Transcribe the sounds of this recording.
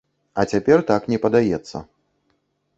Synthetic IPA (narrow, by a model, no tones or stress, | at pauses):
ɐt͡sʲapʲɛrt̪aknʲɛpɐd̪ajɛt̪sːɐ̰